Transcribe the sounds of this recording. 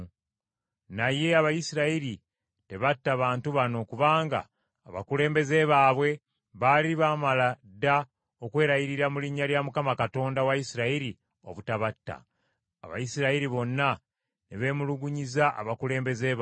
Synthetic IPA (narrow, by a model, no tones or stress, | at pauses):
naje̞aβajisiɾaiɾi | te̞βatːaβaːntuβano̞kuβaːŋɡa̰ː | βa̰kule̞ːmbe̞ze̞βaːβwe̞ | βaliβaːmala | da | o̞kwe̞ːɾaiɾiɾamuliɲːaljamukamakato̞ːndawajisiɾaiɾi | o̞̰βutaβatːa̰ː | βa̰jisiɾaiɾiβo̞nːa | neβe̞ːmuluɡuɲizaʔa̰βakule̞ːmbe̞zeβ